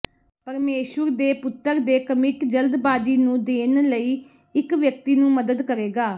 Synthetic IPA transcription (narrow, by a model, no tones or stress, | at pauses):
pəɾmeːʃwəɾd̪eːpʊt̪ːəɾd̪eːkəmɪkd͡ʒəld̪baːd͡ʒiːnũːd̪eːnləiː | ɪkʋjək̚t̪iːnũːməd̪əd̪kəɾeːɡaː